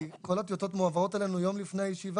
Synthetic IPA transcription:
kolat̪jot̪o̞t̪muavaʁo̞t̪elenujo̞mlifnejajeʃiva

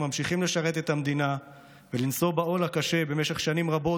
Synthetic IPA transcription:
mamʃiχimle̞ʃaʁe̞t̪e̞t̪amd̪ina | velinso̞bao̞lakaʃe̞be̞meʃe̞χʃanimʁabo̞

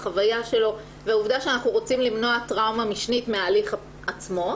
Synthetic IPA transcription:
χavajaʃe̞lo̞ | veauvdaʃeanaχnuʁo̞t͡simlimnoatʁawmamiʃnitmeaːliχ | at͡smo̞

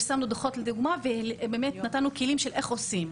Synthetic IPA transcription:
samnud̪aχo̞tleduɡmavebemetnatanukilimʃelʔe̞χosim

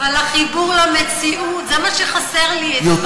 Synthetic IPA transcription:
valaχibuʁlamet͡siʔut̪zɛmaʃeχaseʁlijo

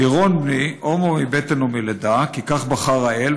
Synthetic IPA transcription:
iʁonbniʔomomibet̪enumiled̪akikaχbaχaʁael

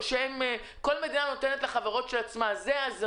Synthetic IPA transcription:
ʃeem | ko̞lmed̪inano̞tenetleχaveʁo̞tʃelat͡smazeaz

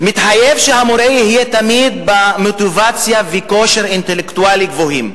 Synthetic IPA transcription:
mit̪ħajevʃehamoɾejihijet̪amid̪̚bamot̪ivat͡sjaviko̞ʃeɾint̪elekt̪ualiɡvoɦim

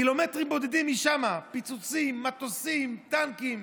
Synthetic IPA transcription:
ilo̞metʁimbo̞ded̪imːiʃamapit͡sut͡simːat̪osimt̪ankim

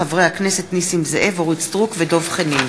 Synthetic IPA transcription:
avʁehakne̞set̪nisimzeʔevoʁit͡sd̪ʁukvedo̞vχenim

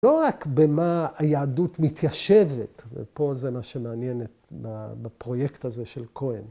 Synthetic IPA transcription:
lo̞ʁakbemaajaːdutmitjaʃevetvḛpo̞zemaʃemeanjenetbabapʁo̞jektazeʃe̞lkʰo̞en

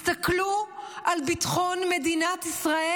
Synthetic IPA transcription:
st̪akluʔalbit̪χonmed̪inat̪isʁae

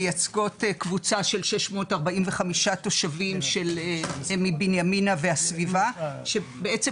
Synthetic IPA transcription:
jat͡sɡo̞tkvut͡saʃe̞lʃeʃmo̞taʁbaimveχamiʃato̞ʃavimʃe̞lmibinjaminaveasvivaʃe̞beet͡se

